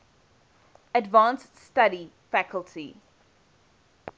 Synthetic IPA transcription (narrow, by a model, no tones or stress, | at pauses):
ədvãːns | staɾi | fækəlˠtʰi